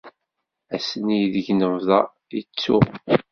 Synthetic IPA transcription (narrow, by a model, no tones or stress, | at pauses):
æsənijðəʝnəvðɑ | it͡sːṵ